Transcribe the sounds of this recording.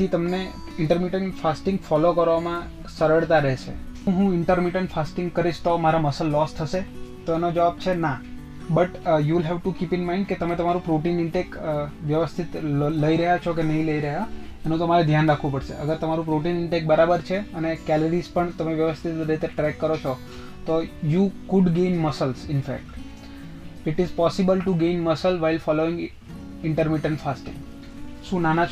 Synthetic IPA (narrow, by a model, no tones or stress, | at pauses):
t̪ʰit̪əmne | ɪɳʈəɾmiʈəɳʈfasʈɪ̃ŋɡfɔlokəɾʋamã | səɾəɭt̪aɾɛɦʃḛ | ɦũɪɳʈəɾmiʈəɳʈfasʈɪŋɡkəɾiʃt̪omaɾaməsəlːɔst̪ʰəʃet̪oenod͡ʒəʋab̚t͡ʃʰena | bəʈjuʋɪlɦɛʋʈukipɪnmaɪ̃ɳɖ̚ket̪əmet̪əmaɾũpɾoʈinɪɳʈekʋjəʋəst̪ʰit̪ləiɾəɦjat͡ʃʰokenəɦĩləiɾəɦja | enũt̪əmaɾed̪ʱjanɾakʰʋũpəɽʃḛʔəɡəɾt̪əmaɾũpɾoʈinɪɳʈek̚bəɾabəɾt͡ʃʰeənekɛləɾizpəɳt̪əmeʋjəʋəst̪ʰit̪ɾeit̪eʈɾɛkːəɾot͡ʃʰo | t̪ojukʊɖɡejnməsəlzɪnfɛ̰k̚ʈ | ɪʈɪzpɔsɪbəlʈuɡejnməsəlʋailfɔloɪ̃ŋɡ | ɪɳʈəɾmɪʈə̃ɳʈfasʈɪ̰̃ŋ | ʃũnana